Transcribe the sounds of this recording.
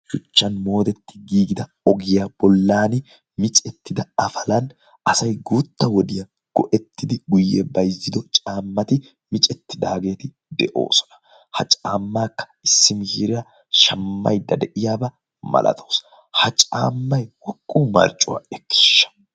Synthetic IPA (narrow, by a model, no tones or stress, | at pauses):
ʃʊt͡ʃːɐnmo̞ːd̪ɛt̪ːɪ̥ɡiːɡɪd̪ɐ | ɔɡɪjab̥ɔlːaːnɪ | mɪt͡ʃʼɛt̪ːɪd̪ɐɐfɐlɐn | ɐsɐjɡut̪ːɐwɔd̪ɪjɐ | ɡ̥ɔʔɛt̪ʰːɪd̪ɪɡʊjːɛ̰bɐjzːɪd̪ɔt͡ʃʼaːmːɐt̪ɪ | mɪt͡ʃʼɛt̪ːɪd̪aːɡe̞ːt̪ɪ | d̪ɛʔo̞̰ːsɔ̥nɐ̥ | hɐ̰t͡ʃʼaːmːaːkːɐ̥ɪsːɪmɪhiːɾɪɾɐ | ʃɐmːɐ̰jd̪ɐd̪ɛʔɪjaːbɐ | mɐ̰lʔɐ̰t̪ʰoːs | hɐt͡ʃʼa̰ːmːɐjwɔkʼːuːmɐ̰ɾt͡ʃʼːʊwa̰ɛkːɪ̥ʃːɐ̥